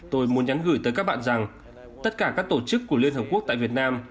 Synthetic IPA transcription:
t̪o˧jmu˨˦ənɲa˨˦nɣɨ˧˩jt̪əː˨˦jkaː˦˥k̚ɓa̰ː˧˨nza˨˩ŋ | t̪ə˦˥t̚kaː˧˩kaː˦˥k̚t̪o˧˩t͡ɕɨ˦˥kːu˧˩əli˧ənɦəː˨˩p̚ku˦˥ək̚t̪a̰ː˧˨vi˨˩ət̚naː˧m

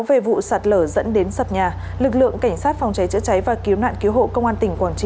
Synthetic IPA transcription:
wve˨˩vṵ˧˨saː˨˩t̚ləː˧˩zə̰˧˥nɗe˨˦nsa˨˩t̚ɲaː˨˩ | lɨ˨˩k̚lɨ̰˧˨əŋka˧˩jŋ̟saː˦˥t̚fɔ˧wŋ͡mt͡ɕa˨˦jt͡ɕɨ̰˧˥t͡ɕa˨˦jvaː˨˩ki˨˦wna̰ː˧˨nki˨˦əwɦo̰˧˨kə˧wŋ͡mʔaː˧nt̪ï˨˩ŋ̟kwaː˧˩nt͡ɕi˧

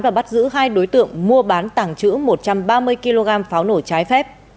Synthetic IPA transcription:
vaː˨˩ɓa˦˥t̚zɨ̰˧˥ɦaː˧jɗo˨˦jt̪ɨ̰˧˨əŋmu˧əɓaː˨˦nt̪aː˧˩ŋt͡ɕɨ̰˧˥mo˨˩t̚t͡ɕa˧mɓaː˧mɨ˧əjki˧lo˧ɣaː˧mfaː˨˦wno˧˩t͡ɕaː˨˦jfɛ˦˥p̚

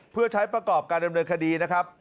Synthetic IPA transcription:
pʰɯ˥˩ɐt͡ɕʰa˦˥jpɾa˧kɔː˨˩p̚kaː˧nda˧mnɤː˧nkʰa˧diː˧na˦˥kʰɾa˦˥p̚

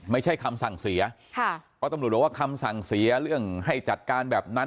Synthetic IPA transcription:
ma˥˩jt͡ɕʰa˥˩jkʰa˧msa˨˩ŋsi˩˦ɐ | kʰa˥˩pʰɔː˦˥t̪a˧mu˨˩t̪̚ːwa˥˩kʰa˧msa˨˩ŋsi˩˦ɐɾɯ˥˩əŋha˥˩jt͡ɕa˨˩t̪̚kaː˧nbɛː˨˩p̚na˦˥

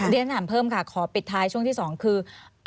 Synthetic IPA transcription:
ɾi˧˥ənnaː˩˦mpʰɤː˥˩mkʰaː˧˩kʰɔː˩˦pi˨˩t̪ʰːaː˧jt͡ɕʰu˥˩əŋt̪ʰiː˥˩sɔː˩˦ŋkʰɯː˧

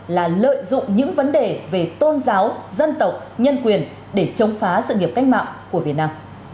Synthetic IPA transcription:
laː˨˩lə̰ː˧˨jzʊ̰˧˨ŋ͡mɲɨ̰˧˥ŋvə˨˦nɗe˨˩ve˨˩t̪o˧nzaː˨˦wzə˧nt̪ə˨˩wk͡p̚ɲə˧nkwi˨˩ən | ɗe˧˩t͡ɕə˨˦wŋ͡mfaː˨˦sɨ̰˧˨ŋi˨˩əp̚ka˦jk̟ma̰ː˧˨ŋ͡mku˧˩əvi˨˩ət̚naː˧m

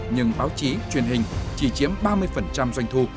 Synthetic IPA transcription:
ɲɨ˧ŋɓaː˨˦wt͡ɕi˨˦t͡ɕwi˨˩ənɦï˨˩ŋ̟t͡ɕi˧˩t͡ɕi˨˦əmɓaː˧mɨ˧əjfə˨˩nt͡ɕa˧mzwa˧jŋ̟t̪ʰu˧˩

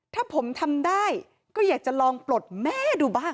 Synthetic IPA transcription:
t̪ʰaː˥˩pʰo˩˦mt̪ʰa˧mdaː˥˩j | kɔː˥˩jaː˨˩k̚t͡ɕa˨˩lɔː˧ŋplo˨˩t̪̚mɛː˥˩duː˧baː˥˩ŋ

